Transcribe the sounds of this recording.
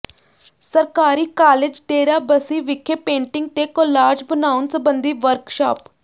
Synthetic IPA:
səɾkaːɾiːkaːled͡ʒʈeːɾaːbəsiːʋɪkʰːeːpẽːɳʈɪŋɡ̚t̪eːkolaːd͡ʒbənaːʊnsəbənd̪iːʋəɾkʃaːp

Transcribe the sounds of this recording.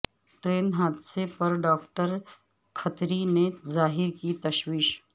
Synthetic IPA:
ʈɾeːnɦaːd̪sepɐɾɖaːk̚ʈəɾ | kʰət̪ɾinezaːɦɪɾkit̪ɐʃwiːʃ

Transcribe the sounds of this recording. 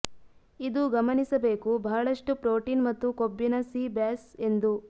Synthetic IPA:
id̪uɡɐmɐnisɐbeːkubʱaːɭɐʂʈupɾoːʈiːnmɐt̪ːukobːinɐsiːbaːse̞nd̪u

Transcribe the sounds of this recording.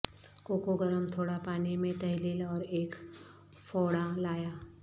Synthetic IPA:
koːkoɡəɾəmt̪ʰoːɽapaːnimẽt̪ɐɦliːlɔːɾeːk | fɔːɽalaːjaː

